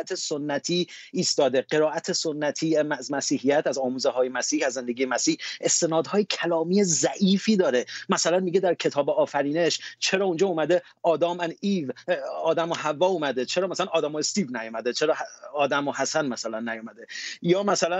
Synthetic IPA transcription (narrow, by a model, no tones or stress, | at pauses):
æt̪ʰesonːæt̪ʰiːst̪ɒːd̪e̞ɢe̞ɾɒːʔæt̪ʰesonːæt̪ʰiːæzmæsiːhijæt̪ʰæzɒːmuːzeɦɒːje̞mæsiːhæzːe̞nd̪e̞ɡʲiːemæsiːhest̪e̞nɒːd̪hɒːjecʰælɒːmiːjezæʔiːfiːd̪ɒːɾe̞mæsælænmiɡed̪æɾcʰe̞t̪ʰɒːbeɒːfæɾiːne̞ʃt͡ʃʰe̞ɾɒːund͡ʒɒːuːmæd̪e̞ | ɒːd̪ɒːmæniːvɒːd̪æmohævːɒːuːmæd̪e̞t͡ʃʰeɾɒːmæsalænɒːd̪æːmoest̪iːvnæjɔːmæd̪et͡ʃʰe̞ɾɒːɒːd̪æmohæsænmæsælænːæjuːmæd̪ejɒːmæsælæ